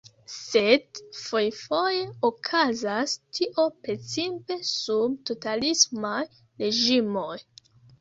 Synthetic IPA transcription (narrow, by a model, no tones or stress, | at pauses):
sedfo̞jfo̞je̞okʰazastʰiʔo̞pɾe̞t͡simpe̞subto̞talismaj | ɾe̞ʒimo̞j